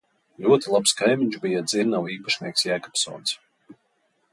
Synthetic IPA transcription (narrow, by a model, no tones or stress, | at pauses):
lʲuɔt̪ilˠapskajmʲiɲʲt͡ʃbijad̪ziɾnawiːpaʃnʲiɛksjæːkɔ̥psɔ̰ːns